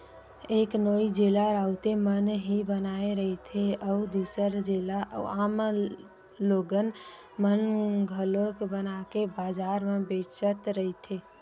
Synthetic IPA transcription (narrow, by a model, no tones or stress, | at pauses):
eːknoːid͡ʒeːlaɾaːʊt̪emənɦibənaːeɾəɦet̪ʰeɔd̪uːsəɾd͡ʒeːlaaːm | loːɡən | mənɡʱəlokbənakebaːd͡ʒaːɾmẽbeːt͡ʃət̪ɾəɦit̪ʰeː